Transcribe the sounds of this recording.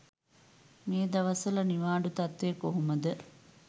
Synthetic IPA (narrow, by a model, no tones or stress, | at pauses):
meːd̪ɐʋɐsəlɐniʋaːɖut̪ɐt̪ʋekoɦuməd̪ə